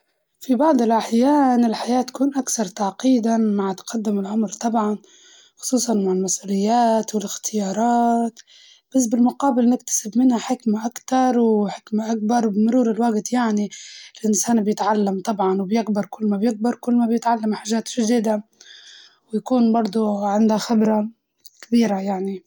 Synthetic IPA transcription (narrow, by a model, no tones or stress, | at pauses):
fibɑʕd̪ˤɪlʔaħjaːnɪlħajaːt̪ːḁkuːnʔakθɑɾˤt̪aʕqiːd̪amaʕt̪qad̪ːɪmɪlʔamɾt̪ˤɑbʕɑn | xʊ̥sˤuːsˤɑnmaʕɪlmasʔuːlɪjːaːt̪wɪlɪxt̪ʰɪjɑːɾˤɑːt̪ | b̥as̬ːbɪlmʊqɑːbɪlnɪkt̪ḁsɪbmɪnhaħɪkmaʔakt̪ɑɾˤwħɪkmaʔak̚bɑɾˤbɪmʊɾuːɾɪlwaɡt̪jaʕniɪlʔɪnsaːnbjɪt̪ʕalːamt̪ˤɑbʕɑnwɪbjɪɡbɪɾˤkʊlːmabjɪɡ̚bɪɾˤkʊlːmabjɪt̪ʕalːamħaʒːaːt̪ʒ̥ad̪ɪːd̪a | wjakuːnbɑɾˤd̪ˤuʕɪnd̪haxɪbɾˤɑ | kabiːɾajaʕni